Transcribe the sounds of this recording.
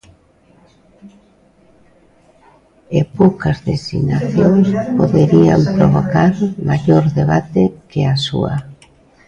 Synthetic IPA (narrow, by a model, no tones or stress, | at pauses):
epowkazðesḭɣnaθjoŋspoðeɾia̰mpɾoβokaɾmaʎoɾðeβat̪ekeasṵa̰